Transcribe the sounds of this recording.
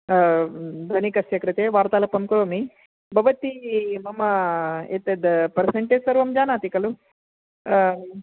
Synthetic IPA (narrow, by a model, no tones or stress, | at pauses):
d̪ɐnikɐsjɐkɾɐt̪eːʋaːɾt̪aːlɐpɐmkuɐmi | bʱɐʋɐt̪imɐmɐet̪ed̪pɐɾseɳʈeːd͡ʒsɐɾʋɐmd͡ʒaːnaːt̪ikɐlu